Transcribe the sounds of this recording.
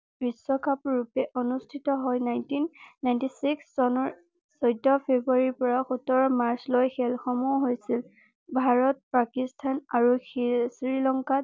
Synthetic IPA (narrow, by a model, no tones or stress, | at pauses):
bisːɔkʰapɹupɛʔɔnustʰitɔɦɔjnajntinːajntisiksɔnɔɹ | sɔjdʱɔpʰebuaɹipɔɹaxutɔɹɔmaɹslojxɛlxɔmuɦojsil | bʱaɹɔt̚pakistʰanaɹusɹilɔŋka